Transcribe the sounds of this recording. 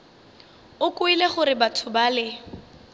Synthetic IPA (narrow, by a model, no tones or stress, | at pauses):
ʊkʼʊileχʊɾɪbatʰʊbalɪ